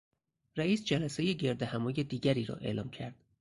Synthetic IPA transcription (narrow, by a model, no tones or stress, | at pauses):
ræiːsd͡ʒælæsejeɟe̞ɾd̪ehæmɒːjed̪iːɟæɾiːɾɒ̰ːʔe̞̰lɒːmcʰæɾd̪̥